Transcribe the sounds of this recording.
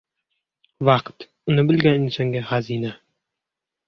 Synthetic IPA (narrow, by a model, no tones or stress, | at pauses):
wɑqt̪mŭnɤbɘ̆lɡæn̆nɘsæŋɡæχæzinæ